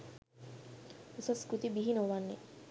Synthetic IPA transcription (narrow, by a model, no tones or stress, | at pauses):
usɐskɾut̪ibiɦinoʋanːe